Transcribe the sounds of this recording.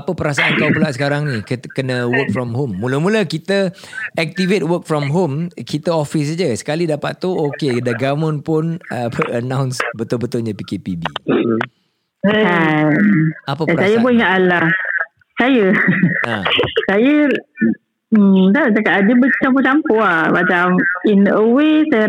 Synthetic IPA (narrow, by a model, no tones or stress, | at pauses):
apəpəɾasaʔankawbəlaʔsə̥kaɾaŋnikkənəwək̚fɾɔmɦomːuləmuləkit̪əɛk̚t̪ivet̚wək̚fɾɔmɦomkit̪əɔfis̬ad͡ʒəsə̥kalidapat̪t̪uokedaɡamʊnpʊnəpəʔənãwnsbət̪ʊlbət̪ʊlɲə̃pikepibḭ | a | apəaəsajəbʊiŋaʔ̪alah | sajəãsajə | d̪ad͡ʒakaʔadibət͡ʃampot͡ʃampoamat͡ʃaminəwesajə